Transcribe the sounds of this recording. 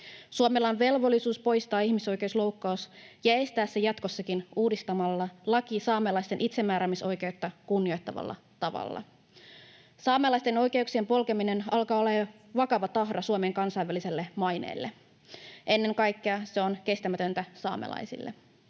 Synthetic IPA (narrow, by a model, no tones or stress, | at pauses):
suomelɑnʋe̞lʋo̞lːisuːspo̞jst̪ɑːihmiso̞jke̞uslo̞wkːɑusjɑe̞st̪æːsːejɑt̪ko̞sːɑkinuːdist̪ɑmɑlːɑlɑkisɑːmelɑjst̪e̞nʔit̪se̞mːæːɾæmiso̞jke̞ut̪ːɑkunːio̞jt̪ːɑʋɑ̰lːɑ̰ | t̪ɑʋɑ̰lːɑ̰ | sɑːmelɑist̪eno̞jk̟e̞uksie̞mpo̞lkemine̞nɑlkɑːole | ʋɑkɑʋɑt̪ɑɦdɑsuomeeŋkɑnsɑiʋːælise̞lːe̞mɑjnḛːlːe | ʔe̞nːe̞ŋkɑjkːeɑse̞o̞nke̞st̪æmæt̪ø̞nt̪æsɑ̰ːmḛlɑ̰jsḭlːe